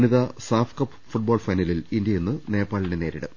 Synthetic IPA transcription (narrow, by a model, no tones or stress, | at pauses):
niðɐsaːfkɐpː | fuʈ̚boːɭfɐjnɐlilindjɐje̞nːɨne̞ːpːaːɭinɖe̞ne̞ːɾiɽɨ̰